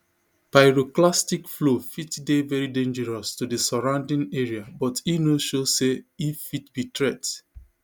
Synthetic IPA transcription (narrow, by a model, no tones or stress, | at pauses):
paɪɹoklastikflofitdevɛɹidẽnd͡ʒɛɹɔstudɨsɔɹãʊ̃ndɪ̃ŋɛɹiabɔtinoʃoseifitbitɹɛt